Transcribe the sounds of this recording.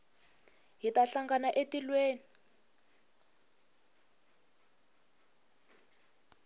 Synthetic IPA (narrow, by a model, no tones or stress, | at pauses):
ɦitaɬaŋɡanaʔetilweːni